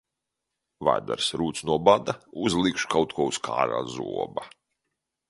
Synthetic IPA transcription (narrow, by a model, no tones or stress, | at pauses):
va̰jd̪a̰ɾsɾuːt̪snuɔbad̪auzlˠikʃu̥kawt̪̚kʰuɔuskʰa̰ːɾa̰ːzuɔba